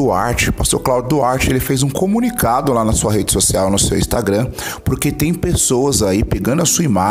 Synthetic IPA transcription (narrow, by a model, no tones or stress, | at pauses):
uaɾt͡ʃɪpast̪oɾklawd͡ʒʊd̪ʊaɾt͡ʃɪelɪfejzũkomũnikad̪ʊlanɐsuɐɦed͡ʒɪsosiawnʊsḛwĩst̪aɡɾɐ̃poɾket̪ẽj̃pesowɐzaipeɡɐ̃nd̪ʊɐsuɐima